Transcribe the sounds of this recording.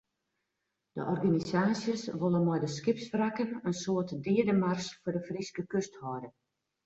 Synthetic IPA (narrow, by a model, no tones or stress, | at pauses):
d̥ə̰ʔɔrɡanisaːsjəsʋolˠənmɔjdəskɪpsfrakənənsoːətdɪːədəmarsfʊdəfriskəkøsthɔdə